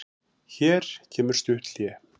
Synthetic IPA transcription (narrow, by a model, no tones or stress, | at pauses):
çɛːɾ̥cʰɛːmʏɾ̥st̪ʏht̪ljɛ